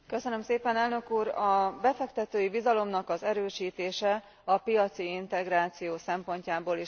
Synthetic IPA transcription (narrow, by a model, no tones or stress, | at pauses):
kø̞sønømseːpɛnɛlnø̞kuːɾɒbɛfɛkt̪ɛt̪øːjibizɒlo̞mnɒkɒzɛɾøːʃiːt̪eːʃɛ | ɒpijɒt̪siint̪ɛɡɾaːt̪sijoːsɛmpo̞ɲcaːboːli